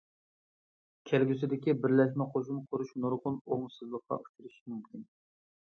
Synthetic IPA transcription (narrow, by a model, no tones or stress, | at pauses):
kʲʰælɡʲysɪd̪ɪkʲibɪɾlɛʃ̬mɛqʰoʃ̬umqʰʊɾuʃnoɾʁʊnoŋsɨzlˠəqqɑ̰u̥t͡ʃʰuɾɨʃmymkʲin